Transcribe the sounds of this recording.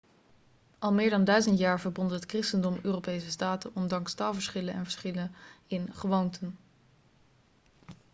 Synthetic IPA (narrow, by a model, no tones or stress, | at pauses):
ʔɑlˠmɪːɹdɑndœɥzəntjaːɹvəɹbɔndəɦətkrɪstəndɔmøːrowpejsəstaːtənʔɔndɑŋkstaːlˠvəɹsχɪlənɛ̰nvəɹsχɪlənɪnχəʋowntʰən